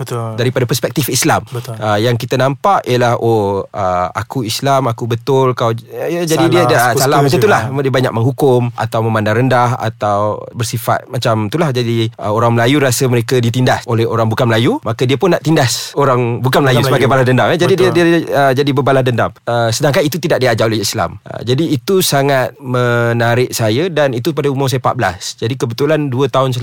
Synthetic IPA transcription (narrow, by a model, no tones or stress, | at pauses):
bət̪daɾipadapəspɛk̚t̪ifislambəəjaŋk̬it̪ənãmpaʔiəlahʔoəa̰kuislamakubət̪ʊlkawd͡ʒadidiədasalahmmat͡ʃamt̪ulahdiəbaɲa̰k̚məŋɦukʊmʔa̰t̪awmə̃mãndaŋɾəndaha̰t̪awbərsifa̰t̪̚mat͡ʃamt̪ulahd͡ʒadiəoɾaŋməlajuɾasəməɾekədit̪̬indasʔolɛhoɾaŋbukanməlajumakədiəpʊnːaʔt̪indasoɾaŋbukanməlajusəbaɡajbalahdəndaŋad͡ʒadididiəd͡ʒadibəbalahdəndaməsədaŋkanit̪ut̪idak̚diad͡ʒaolɛhisla̰mʔə̰d͡ʒadiːt̪usaŋat̪̚mənaɾɪʔ̚sajədanit̪upadaumũs̬ajapat̪̚bəla̰sd͡ʒadikəbət̪ulanduət̪aʊns̬ə